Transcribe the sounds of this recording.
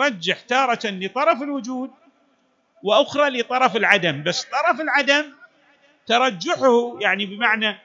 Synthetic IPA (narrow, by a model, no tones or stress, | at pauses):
ɾˤɑd͡ʒːaħt̪ɑːɾˤɑnlət̪ˤɑɾˤɑfɪlwʊd͡ʒuːd̪̚ | wɪʔʊxɾˤɑlət̪ˤɑɾˤɑfɪlʕad̪ambasːt̪ˤɑɾˤɑfɪlʕad̪am | t̪ɑɾˤɑd͡ʒːaħhujaʕnibəmaʕna